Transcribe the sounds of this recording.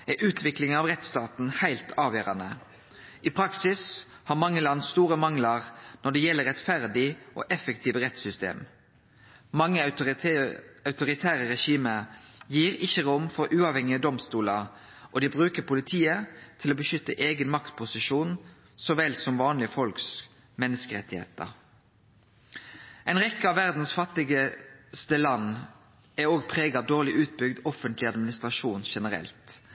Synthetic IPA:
ɛʔʉːt̪ʰʋɪklɪŋənɑʋʁɛt̪st̪ɑːt̪n̩hæɪlt̪ʰɑːʋjøːɾɑnə | ʔɪpʰɾɑksɪs | hɑʁmɑŋːəlɑnːsst̪uːɾəmɑŋlɑʁnɔɖ̪ɛjɛlːəɾɛt̪fæʁd̪ɪʔɔ̰ʔɛfəkt̪ʰiːʋəʁɛt̪sʏst̪ḛːm | mɑŋːə | ɑʉt̪ʊɾɪt̪ʰæːɾəɾɛʃiːməjiːɾɪçːəʁʊmfɔɾʔʉːɑʋhɛŋɪəd̪ɔmst̪uːlɑ | ʔɔd̪ɪbʁʉːkəpʊlɪt̪ʰiːət̪ʰɪloːbəʃʏt̪ːəʔeːɡənmɑkt̪pʰʊsɪʃuːn | sɔʋɛlsɔmʋɑːnlɪəfɔlks | mɛnːəskəʁɛt̪ːɪhḛːt̪ə̰ʁ | ʔɛɪnʁɛkːəɑʋʋæʁd̪n̩sfɑt̪ːɪɡəst̪əlɑnː | æoːɡpʰʁeːɡɑʋd̪oːʁlɪʔʉːt̪̚bʏɡd̪ɔfənt̪lɪɑd̪mɪnɪst̪ʁɑʃuːnʃɛnəʁɛ̰lt̪

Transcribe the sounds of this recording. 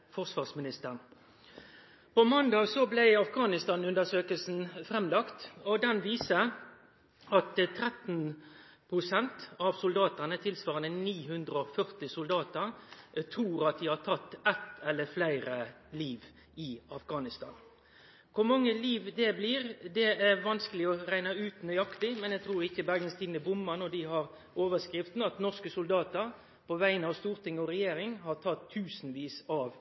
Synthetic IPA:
fɔʁsʋɑːʁsmɪnɪst̪əʁn | pɔmɑnd̪ɑːɡsɔblæɪɑfɡɑːnɪst̪ɑːnʉnd̪əʂøːkəlsn̩fɾɛmlɑkt̪ɔd̪ɛnʋiːsə | ɑt̪t̪ʰɾɛt̪n | pʰʁʊsɛnt̪ɑʋsʊld̪ɑːt̪əʁnət̪ʰɪlsʋɑːʁənəniːhʉnd̪ʁəɔfœʁt̪ɪsʊld̪ɑːt̪əʁt̪ʰɾuːɾɑt̪̚d̪iːhɑːt̪ʰɑt̪ːɛt̪ɛlːəflæɪɾə | liːʋ | ɪɑfɡɑːnɪst̪ɑ̰ːn | kʰʊɾmɑŋːəliːʋd̪ɛbliːʁd̪ɛæɾʋɑnskəlɪɔɾæɪnɑʉːt̪nœʏɑkt̪ɪmɛnjɛɡ̚t̪ʰɾuːɾɪçːəbæɾɡənst̪ʰiːd̪nəbʊmːɑnɔd̪ɪɦɑɾ | oːʋəskʁɪft̪n̩ɑt̪nɔskəsʊld̪ɑːt̪əɾ | pʰɔʋæɪnəɑʋst̪uːɾt̪ʰɪŋːɔɾɛjeːɾɪŋɦɑʁt̪ʰɑt̪ʰːʉːsnʋiːsɑʋ

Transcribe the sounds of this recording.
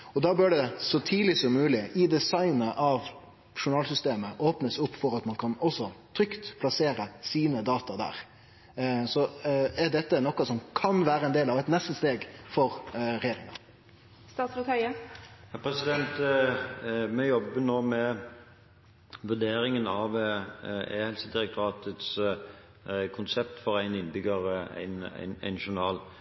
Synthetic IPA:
ɔd̪ɑːbøːɖɛsɔt̪ʰiːlɪsɔmːʉːlɪʔɪd̪ɛsɑɪnəʔɑʋ | ʂʊnɑːlsʏst̪eːməʔoːpnəsʊpːfɔɾɑt̪mɑnkʰɑnɔsɔt̪ʰɾʏkt̪pʰlɑseːɾəsiːnəd̪ɑːt̪ɑd̪æ̰ːɾ | sɔɛɖɛt̪ːənɔkːɑsɔmkʰɑnʋæːɾəɛnd̪eːlɑʋɛt̪nɛst̪əst̪eːɡfɔɾɾɛjeːɾɪŋɑ̰ | st̪ɑːt̪sət̪hœʏəhæpʰɾɛsɪd̪ɛnt̪ | mɛjɔbənoːmɛ | ʋʉd̪eːɾɪŋənɑʋ | eːhɛlsəd̪ɪɾɛk̚t̪ʰʊʁɑːt̪ət̪s | kʰʊnsɛpt̪fɔʁæɪnɪnbʏɡəʁæ̰ɪnæ̰ɪnæ̰ɪnʃʊnɑːl

